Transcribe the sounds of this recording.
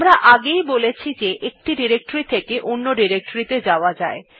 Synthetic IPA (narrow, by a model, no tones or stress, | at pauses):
mɾaʔaɡejbolet͡ɕʰid͡ʑeʔek̚ʈiɖiɾek̚ʈoɾit̪ʰekeʔonːoɖiɾek̚ʈoɾit̪ed͡ʑaoad͡ʑae